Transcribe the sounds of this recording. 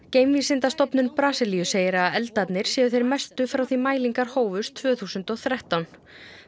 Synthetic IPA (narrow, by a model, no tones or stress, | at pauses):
ceːjmvisɪnt̪ast̪ɔpnʏnpɾaːsɪlijʏseːjɪɾaðɛlt̪at̪nɪɾ̥sjɛːðʏθejɾmɛst̪ʏfɾawθimaːjliŋkaɾ̥hoːwvʏst̪ʰvœːθuːsʏnt̪ɔɣθɾaht̪awn